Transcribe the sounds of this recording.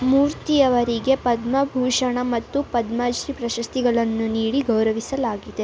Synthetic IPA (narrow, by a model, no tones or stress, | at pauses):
muːɾt̪ijɐʋɐɾiɡe̞pɐd̪mɐbʱuːʂɐɳɐmɐt̪ːupɐd̪maːd͡ʒɾipɾɐʃɐst̪iɡɐɭɐnːuniːɽiɡɐwɾɐʋisɐlaːɡid̪e̞